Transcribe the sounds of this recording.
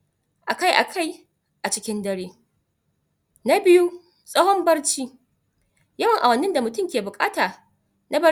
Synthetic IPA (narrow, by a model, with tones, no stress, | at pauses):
ʔa˨ka˦jʔa̰˨kʰa˦˨j | ʔa˨t͡ʃɪ˦kʲɪ˦ndɐ˦ɽeː˦ | na˦bɪ˦ju˦ | sʼɔ˦hɔ˦mbɐ˦rt͡ʃiː˦ | jɐ˦wɐ˨ŋʔa˨wɐ˨nːɪ˦nda˨mʊ˨tʊ˦mkʲeː˨bʊ˨kʼaː˦taː˨ | nʔa˦bɐ˦